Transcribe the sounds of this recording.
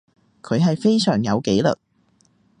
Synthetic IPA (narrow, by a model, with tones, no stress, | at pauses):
kʰɵ˨˧ɥɦɐ˨jfe˥jsœː˨˩ŋjɐ˨˧wke˨˥jlɵ̰˨t̚